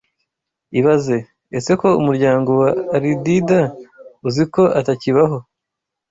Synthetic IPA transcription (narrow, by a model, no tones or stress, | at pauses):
iβaze̞ | ese̞ko̞umuɾɟaːŋɡo̞waːɾididauziko̞ʔataciβaɦo̞